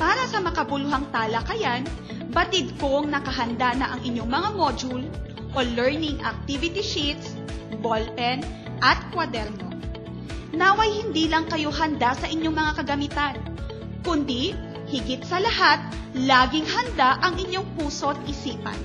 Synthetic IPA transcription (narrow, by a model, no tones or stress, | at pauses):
paːɾɐsɐmɐkɐbʊlʊɦaŋt̪aːlɐkɐjan | bɐt̪ɪd̪̚ko̞ŋnɐkɐɦɐnd̪anɐʔɐŋʔɪɲːo̞ŋmɐŋamo̞d͡ʒul | ʔo̞lɛɹnɪŋʔɐk̚t̪ivɪt̪iʃit̪s | bolpɛn | ʔɐt̪̚kwɐd̪ɛɾno̞̰ | nawɐjhɪnd̪iːlɐŋkɐjo̞ɦɐnd̪asɐʔɪɲːo̞ŋmɐŋakɐɡɐmɪt̪an | kʊnd̪i | hɪɡɪt̪̚sɐlɐhat̪̚ | laːɡɪŋhɐnd̪aʔɐŋʔɪɲːo̞ŋpuːso̞ʔɐt̪̚ʔɪsiːpɐ̰n